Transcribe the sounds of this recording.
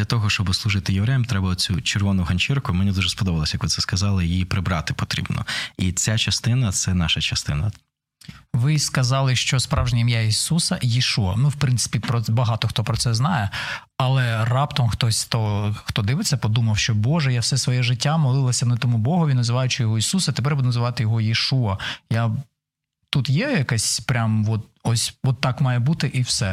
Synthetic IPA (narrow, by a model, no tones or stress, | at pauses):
d̪lʲɐt̪ɔɦɔʃt͡ʃɔbɪslˠʊʒɪt̪ɪjeʋɾɛjɐmt̪ɾɛbɐlˠɔt͡sʲut͡ʃerʋɔnʊɦɐnʲt͡ʃirkʊmɛnid̪uʒɛspɔd̪ɔʋɐlˠɔsʲjɐkʋɪt̪sɛskɐzɑlˠɪjijipɾɪbɾɑt̪ɪpɔt̪ɾʲḭbnɔ̰it͡sʲat͡ʃɐst̪ɪnɐt̪sɛnɑʃɐt͡ʃɐst̪ɪnɐ | ʋɪskɐzɑlˠɪʃt͡ʃɔspɾʔɑwʒenʲɐmjaisusɐjiʃuɐnuwpɾɪnsɪ̥pʲipɾɔbɐɦɑt̪ɔxt̪ɔpɾɔtsɛznɑjɛ | ɐlˠɛrɑpt̪ɐmxt̪ɔsʲxt̪ɔxt̪ɔd̪ɪʋɪt͡sʲːɐpɔd̪umɐwʃt͡ʃɔbɔʒɛjawsɛsʋɔjɛʒɪtʲːamɔlˠɪlˠɐsʲɐnɐt̪ɔmʊbɔɦʊʋʲinɐzɪʋɑjʊt͡ʃɪjɔɦɔisusɐt̪epɛɾbud̪ɛnɐzɪʋɑt̪ɪjɔɦɔjeʃuɐja | t̪ut̪jɛjɐkɛsʲpɾʲamʋɔt̪̚ɔsʲɔt̪ːɑkmɑjɛbut̪ɪʔiwsɛ